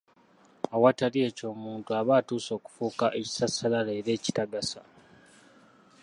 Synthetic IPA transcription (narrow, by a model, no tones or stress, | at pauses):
awatalie̞ːco̞ːmuːntuaβaːtuːso̞ːku̥fuːkaʔe̞ci̥sasalalaːɾe̞ːci̥taɡasa